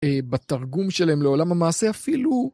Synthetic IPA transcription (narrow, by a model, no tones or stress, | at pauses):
ebat̪aʁɡumʃelahemleo̞lamhamaːse̞afilu